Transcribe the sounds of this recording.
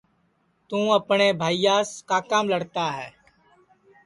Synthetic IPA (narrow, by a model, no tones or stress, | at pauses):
t̪ũːəpneːbʱaːijaːskaːkaːmləɽt̪aɦɛː